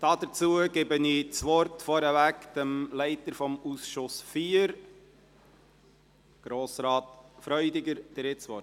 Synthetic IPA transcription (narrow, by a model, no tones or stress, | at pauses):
d̥ɑd̪əɾt͡suəɡɪbənit͡sʋɔɾtfɔɾəvækdəmlæɪtəɾfɔmusʃʊsfiːəɾ | ɡ̥ɾoːsɾɑːtfɾœʏdɪɡəɾd̥ɾɪt͡sʋɔt